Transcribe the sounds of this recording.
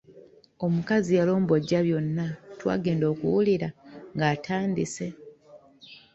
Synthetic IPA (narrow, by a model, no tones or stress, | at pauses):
o̞mukazialo̞ːmbo̞ɟːaβjo̞nːatwa̰ːɡe̞ːndo̞ːkuwuliɾaŋɡaːtʰaːndise̞